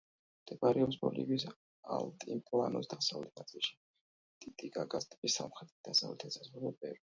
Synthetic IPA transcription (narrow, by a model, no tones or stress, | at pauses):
d̪ʰɛbaɾɛɔpsbɔ̰lḭvis | a̰lˠt̪ʼimpʼlˠanɔsd̪asavlɛt̪̚ʰnat̪sʼilˠʃi̥ | t̪ʼit̪ʼiɡaɡast̪ʼɛbisa̰mχɾɛd̪id̪asavlɛt̪ʰɛsazʁuɾɔbɛɾ